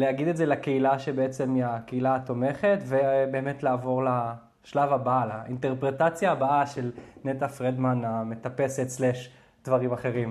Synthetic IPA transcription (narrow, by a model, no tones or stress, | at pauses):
leaɡid̪etzelakeilaʃebeet͡se̞miakeilaːt̪o̞me̞χe̞t̪vebe̞ːme̞t̪laːvo̞ʁla | ʃlavabalaint̪e̞ʁpʁetat͡sjaːbaaʃelnet̪afʁed̪maname̞t̪ape̞se̞t̪sleʃ | d̪vaʁimaχe̞ʁim